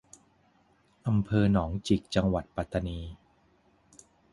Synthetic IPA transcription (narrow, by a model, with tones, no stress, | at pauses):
ʔa˧mpʰɤː˧nɔː˩˦ŋt͡ɕi˨˩k̚t͡ɕa˧ŋwa˨˩t̪̚pa˨˧˩t̪ːa˧niː˧